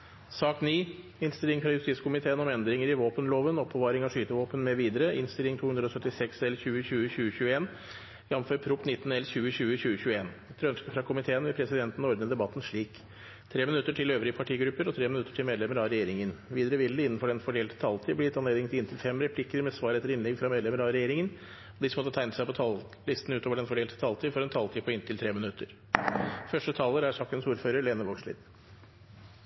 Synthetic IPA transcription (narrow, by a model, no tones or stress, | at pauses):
sɑːkniːɪnst̪ɪlɪŋfɾɑjʉst̪iːtskʰʊmɪt̪ʰeːənɔmɛnd̪ɾɪŋəɾɪʋoːpənloːʋənɔpːəʋɑːɾɪŋɑʂyːt̪əʋoːpənmɛʋiːd̪əɾəʔɪnst̪ɪlɪŋt̪ʰuːʉnd̪ɾɔsœt̪ːɪsɛksɛlçʉːəçʉːəçʉːəçʉːəeːn | jɑmmføːɾpʰɾʊpnɪt̪ːn̩ɛlçʉːəçʉːəçʉːəɕʉːəeːn | ɛt̪ʰɾœnskəfɾɑkʰʊmɪt̪ʰeːənʋɛpʰɾɛsɪd̪ɛnt̪n̩ɔɾd̪nəd̪ɛbɑt̪ːn̩ʂɭiːk | t̪ʰɾeːmɪnʉt̪ːəʈʰɪløːʋɾɪəpʰɑʈʰiːɡɾʉpːəɾɔt̪ʰɾeːmɪnʉt̪ːə̥ʈʰɪmeːd̪lɛməɾɑɾɛjeːɾɪŋənʋiːd̪əɾəʋɪld̪əɪnːn̩fɔɖɛnfɔɖeːlt̪ʰə̥t̪ʰɑlt̪ʰiːbliːɪt̪ɑnleːd̪ɪŋt̪ʰɪɪnt̪ʰɪlfɛmɾɛpʰlɪkːəɾmɛsʋɑːɾɛt̪ːəɾɪnlɛɡfɾɑmeːd̪lɛməɾɑɾɛjeːɾɪŋən | d̪ɪsəmɔt̪ːət̪ʰæɪnəsæɪpɔt̪ʰɑl | lɪst̪n̩ʉːt̪oːʋəɖɛnfɔɖeːlt̪ʰə̥t̪ʰɑlt̪ʰiːfɔɾɛnt̪ʰɑlt̪ʰiːpʰɔɪnt̪ʰɪlt̪ʰɾeːmɪnʉt̪ːəɾ | fœʂʈət̪ʰɑːləɾæʂɑkənsuːɾføːɾəɾɭeːnəʋɔʂɭɪ̰ːd̪